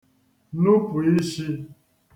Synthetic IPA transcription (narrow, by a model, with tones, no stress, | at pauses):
nu˦pu˨i˦ʃi˦